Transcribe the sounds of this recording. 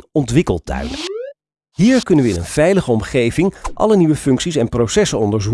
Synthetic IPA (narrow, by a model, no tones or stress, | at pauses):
nɔntʋɪkəlˠtœ̰ɥnə̰ | ɦiːɹkɵnəʋəɪnə̰nv̥ɛjləχəɔmχejvɪŋʔɑ̰ləniʋəfɵŋksisɛnprowsɛsənɔndəɹzu